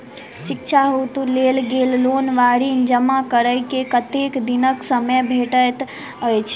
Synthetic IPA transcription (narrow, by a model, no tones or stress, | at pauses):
sikt͡ʃʰaɦut̪ulelɡellonʋaɽind͡ʒəmakəɾəjkekət̪ekd̪inəksəməbʱeʈət̪ | ojt͡ʃʰ